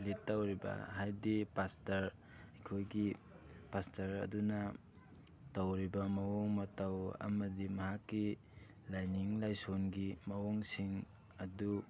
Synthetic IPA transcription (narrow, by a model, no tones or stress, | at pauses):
litːawɾibɐ̰ɦajdipastɐɾ | ɐjkʰojɡi | pastɐɾɐ̰dunɐ | tawɾibɐmɐwɔŋmɐtawɐ̰mɐdimɐɦakːi | lajniŋlajsonɡimɐwoŋsiŋ | ɐdu